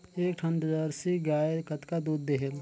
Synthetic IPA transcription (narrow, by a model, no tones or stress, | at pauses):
eːk̚ʈʰə̃nd̪əzaɾsiɡaːekət̪kad̪uːd̪ːeɦel